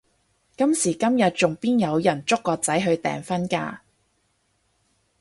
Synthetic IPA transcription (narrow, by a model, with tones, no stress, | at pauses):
kɐ˥msiː˨˩kɐ˥mjɐ˨t̚t͡ʃʊ˨ŋpiː˥njɐ˨˧wjɐ˨˩nt͡sʊ˥kːɔː˧t͡sɐ˨˥jɦɵ˧ɥt̪ɛ̰ː˨˩ŋfɐ˥nka̰ː˧